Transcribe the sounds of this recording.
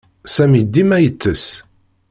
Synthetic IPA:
sæmid̪ːimæjət͡sːəs

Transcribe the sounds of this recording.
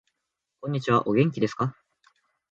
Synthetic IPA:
kõ̞ɲ̟ːit͡ɕiβaʔo̞ɡʲẽ̞ŋk̬ʲid̪e̞sɨ̥ka

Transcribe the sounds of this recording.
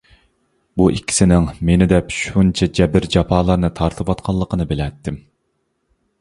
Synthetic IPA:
buʔikʲʰːi̥sɪnɪŋmenɪd̪ɛpʃunt͡ʃʰɛd͡ʒɛbɪɾd͡ʒɑpʰɑːlˠɑɾnɨt̪ʰɑɾt̪ʰɨpwɑt̪̚qʰɑlˠːəqʰənɨbɪlɛt̪ːɪm

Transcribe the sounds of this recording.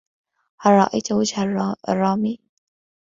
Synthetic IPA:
harˤɾˤɑʔa̰jt̪ʊwad͡ʒharrˤːɑːmiː

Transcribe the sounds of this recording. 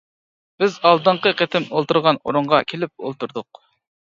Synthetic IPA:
b̥ɪzɑlˠd̪əɴqəqʰet̪ɪmolˠt̪uɾʁɑnoɾʊɴʁɑkʲʰelɪp̚o̰lˠt̪uɾd̪ʊq

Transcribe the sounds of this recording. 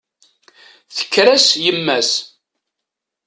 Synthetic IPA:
θə̥kːɾæsjəmːæs

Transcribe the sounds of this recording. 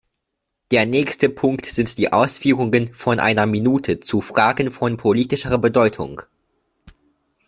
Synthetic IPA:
d̥eːɐnɛːçstəpʰʊŋktz̥ɪntd̥iːʔa̰ʊsfyːʁʊŋənfɔnʔa̰ɪnɐminuːtʰət͡sufʁ̥aːɡn̩fɔnpʰoliːtɪʃəʁɐbədɔʏtʰʊ̰ŋ

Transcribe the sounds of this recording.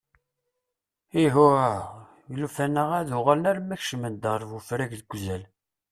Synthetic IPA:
iɦʊɾa | jlufænəʁæðʊʁalənæɾmæçʃəmənd̪əɾˤvufɾæʝðəɡʷzæl

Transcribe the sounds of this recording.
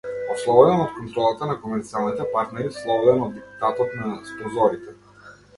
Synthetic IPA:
ɔslˠɔvɔd̪ɛnɔt̪kɔnt̪ɾɔlˠat̪anakɔmɛɾt̪sialˠnit̪ɛpaɾt̪nɛɾislˠɔvɔd̪ɛnɔd̪ːɛpu̥t̪at̪ɔt̪naspɾɛzɔɾit̪ɛ

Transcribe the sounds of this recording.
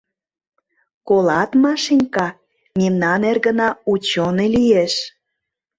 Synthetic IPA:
kolɑt̪mɑʃinʲkɑ | memnɑnerɣə̆nɑut͡ɕonelijeʃ

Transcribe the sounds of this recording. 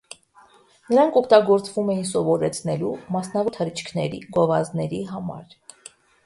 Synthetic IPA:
nəɾɑŋkʰɔkʰt̪ɑɡɔɾt͡svumɛjinsɔvɔɾɛt͡sʰnɛlumɑsnɑvɔt̪ʰəɾit͡ʃʰkʰnɛɾḭɡɔvɑznɛɾiɦɑmɑ̰ɾ

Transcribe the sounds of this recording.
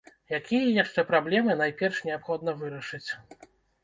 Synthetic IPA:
jakʲijɐjaʂt͡ʂɛpɾablʲɛmɨnajpʲɛrʂnʲɛapxɔd̪nɐvɨɾɐʂɨt͡sʲ

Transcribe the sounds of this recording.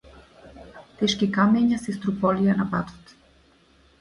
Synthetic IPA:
t̪ɛʃkikamɛɲasɛst̪ɾupɔlijanapat̪ɔ̥t̪

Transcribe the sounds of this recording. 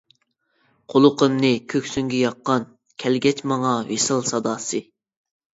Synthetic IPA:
qʰolˠʊqʰəmnɨkʲʰøkʲsyŋɡʲɛjɑqːɑn | kʲʰɛlɡʲɛt͡ʃmɑŋɑwesɨlˠsɑd̪ɑːsɨ

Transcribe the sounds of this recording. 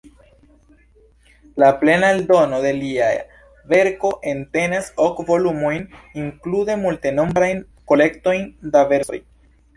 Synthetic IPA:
laple̞naeldo̞no̞de̞lia | ve̞ɾko̞ʔe̞nte̞nasokvo̞lumo̞jniŋklude̞multeno̞mbɾajn | ko̞le̞kto̞jndave̞ɾso̰j

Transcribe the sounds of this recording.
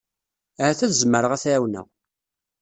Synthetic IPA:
ʕæθæθzmːəɾəʁæθɾæwnə̰ʁ

